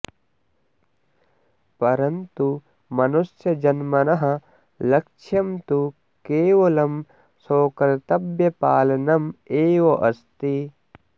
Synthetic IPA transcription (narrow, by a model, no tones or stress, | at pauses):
pɐɾɐnt̪u | mɐnusjɐd͡ʒɐnmɐnɐɦɐ | lɐkʃʰjɐmt̪u | keːʋɐlɐm | soːkɐɾɐt̪ɐbjɐpaːlɐnɐmeːʋoʔɐst̪i